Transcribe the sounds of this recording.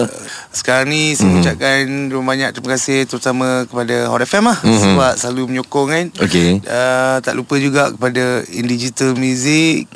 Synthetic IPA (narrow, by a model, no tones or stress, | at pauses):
sə̥kaɾaŋnĩsamut͡ʃaʔkanəbaɲaʔk̚t̪ɾiməkasɪht̪əɾut̪amə̃kəpadahɔ̰ɾɛfɛmahsəaʔsəlaluməɲokɔŋkanokeət̪a̰ʔlupəd͡ʒuɡaʔkə̥padaḭndid͡ʒit̪əlmjuzɪk̚